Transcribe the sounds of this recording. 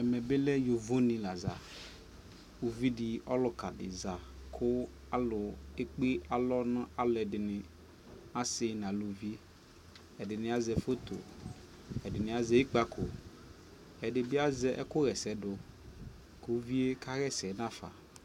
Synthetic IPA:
ɛ˨mɛ˨be˦lɛ˦jo˨vo˦nĩ˨la˨za˨ | u˨vi˦di˨ɔ˦lʊ˨ka˨dɪ̰˨za˨kʰʊ˦ | a˦lʊ˨e˦k͡pe˦a˨lɔ˦nã˦a˨lʊ˨ɛ˨dɪ˨nɪ̃˨ | ã˦sɪ˦nã˨lu˨vi˦ | ɛ˨dɪ˨nɪ̃˨a˦zɛ˨fo˦t̪o˨ | ɛ˨dɪ˨nɪ̃˨a˦zɛ˦i˦k͡pa˦kʰo˨ | ɛ˨dɪ˨bɪ˦a˦zɛ˨ʔɛ̰˦kʊ˦ɣɛ˨sɛ˦dʊ˨ | ko˨˦vi˦e˦ka˦ɣɛ˦sɛ˨˦nã˦˨fa̰˨

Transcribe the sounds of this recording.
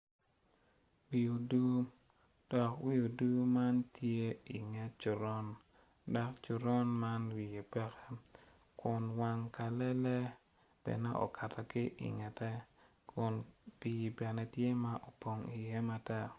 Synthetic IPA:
wi˨o˨du˦ | d̥ɔ˨kwi˦u˨du˦ma˦ntje˦i˨ŋɛ˦t͡ʃu˨ɾɔ˦n | dɔ˨˦kt͡ʃu˨ɾɔ˦nma˦nwi˨je˨pɛ˦kɛ̥˦ | kʊ˨nwa˨ŋka˨lɛ˦lɛ˦ | b̥ɛ̰˨nɛ˦ʔo̰˨kʰa˨tʰa˨kɪ˦ʔḭ˨ŋɛ˨tɛ˦ | kʰʊ˨npi˨bɛ˨nɛ˨tje˦ma˦ʔo˨po˨ŋi˨je˦ma˦tɛ˦

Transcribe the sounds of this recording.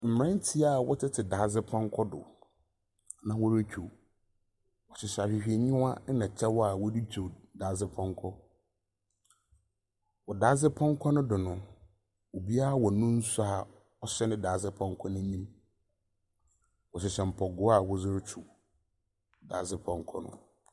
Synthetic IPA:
m̩˨m˨ɛ̃˦n˦tʰi˦a˦˨wɔ˦tʰɪ˦tʰɪ˨daː˨˦zɪ˦pʰɔ̃˦ŋ˦kʰɔ˦dʊ̰˨ | nã˨wɔ˦ɾe˦t͡ɕᶣʰu˨ | wɔ˨ɕɪ˨ɕɛ˨a˨fᶣi˨hᶣi˨e˨ɲĩ˦wa˦nã˨t͡ɕʰɛ˦wɔ˦a˨wɔ˦di˦t͡ɕʰu˨daː˨˦zɪ˦pʰɔ̃˦ŋkʰɔ˦ | wɔ˨da˨˦zɪ˦pʰɔ̃˦ŋ˦kʷʰɔ˦nʊ̃˦dɪ˨nʊ̃˦ | wo˨bi˦a˦a˨wɔ˨nũ˦n̩˦sa˦a˨ | ɔ˦ɕɛ˦nʊ̃˦daː˨˦˨zɪ˦pʰɔ̃˦ŋ˦kʰɔ˦nʊ̃˦ĩ˦m | wɔ˨ɕɪ˨ɕɛ˨m̩˨pʰɔ˨ɡʊ˦a˦˨wɔ˦zʊ˦ɾt͡ɕʰu˨ | da̰ː˨˦zɪ˦pʰɔ̃˦ŋ˦kʰɔ̰˦nʊ̰̃˨

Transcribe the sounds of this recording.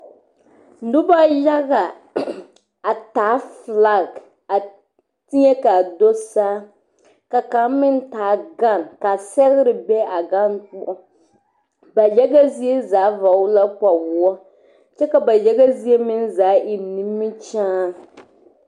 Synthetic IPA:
n̩˨˦dʊ˦ba˦ja˦ɣa˨ | a˨taː˨˦fla˦˨ɡ | a˨ | ti˦ɲɛ˦ka˨do˦saː˦ | ka˨ka˨˦mɪ˦n˦taː˨˦ɡa˦˨nka˨sɛ˦ɣɪ˦ɾɪ˨bɛ˦a˨ɡa˦nk͡pu˦ɔ˦ | ba˨jɛ˦ɡa˦zi˦e˦zaː˨˦va˨wʊ˦la˦k͡pa˨wu˨ɔ˦ | t͡ʃɛ˦ka˨ba˨jɛ˦ɡa˦zi˦e˦mɪ˦n˦zaː˨˦ʔɪ˨ni˦mːɪ˦t͡ʃaː˦

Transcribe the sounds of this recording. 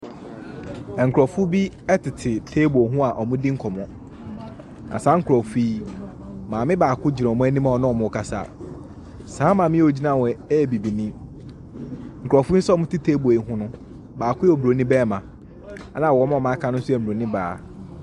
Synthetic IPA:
ɛ˨ŋ̩˨kʰɾɔ˨fʊ˦bi˦ | ɛ˦tʰɪ˨tʰɪ˨tʰeː˦bu˨ɔ˨ɦʊ̃˦a˨ʔɔ˨mʊ̃˦di˦ŋ̩˦kʰɔ˨mɔ̃˦ | nã̰˨saː˦ŋ̩˦kʰɾɔ˨fiː˦ | mãː˨mɪ̃˦baː˨kʰʊ˦d͡ʑi˨ɾɔ̃˨ɔ˨mʊ̃˦ɛ˦nĩ˦mã˦˨ɔ˨nʊ̃˦ɔ˨mʊ̃˨ɔ˨kʰa˨sa̰ː˦˨ | saː˨˦mã˨mɪ̃˦o˨d͡ʑi˦nã˨wɔ˨ɛ˦˨bi˨bi˨nɪ̃˦ | ŋ̩˨kʰɾɔ˨fʊ˦sɔ˦mʊ̃˦tʰɪ˦tʰeː˦bu˨e˨ɦʊ̃˦nʊ̃˦ | baː˨kʰʊ˦ɔ˨bɾo˨˦nĩ˦bɛː˦˨mã˨ | a˦nã˨wɔ˨˦m̃˦˨mã˦kʰã˦nʊ̃˦sʊ˦ɛ˨m̩˨bɾo˨nɪ̃˦baː˨

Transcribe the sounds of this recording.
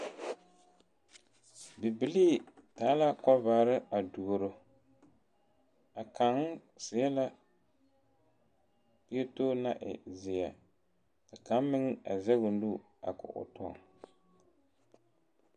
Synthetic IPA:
bi˨bi˨liː˦taː˨˦la˦kɔ˦vaː˨˦ɾɨ˦a˨du˨ɾo˨ | a˨ka˨ŋ˦ | sɪ˨jɛ˦la˦ | pi˦ɛ˦toː˦na˦ʔɪ̰˨zɪ˨ja˨ | tɨ˨ka˨˦m˦mɪ˦ŋ˦a˨zɛ˦ɡʊ˨n˦du˦ | a̰˨kʊ̰˨ʔʊ̰˨tɔ̰˦˨

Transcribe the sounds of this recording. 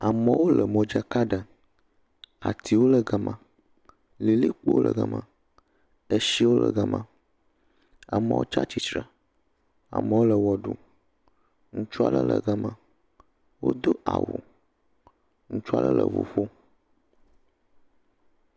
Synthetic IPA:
a˨mə˨wo˦lə˨mɔ̃˨d͡ʒa˦ka˦ɖə˨ | a˨t̪ʰi˨wo˦lə˨ɡa˨mã˨ | li˨li˦k͡po˦o˦lə˨ɡa˨mã˨ | ə˦ʃi˦wo˦lə̰˨ɡa˨mã˨ | a˨mə̰̃˨wo̰˦t͡ʃa˦t͡ɕi˨t͡ʃɾa˨ | a̰˨mə̃˨wo˦lə˨wɔ˨ɖu˦ | ŋũ˦t͡ʃu˦a˦˨lə̰˦lə̰˨ɡa˨mã˨ | wo̰˦d̪o˦ʔa̰˨wṵ˨ | ŋũ˦t͡ʃu˦a˨lə˦lə̰˨vo̰˨ɸo˦

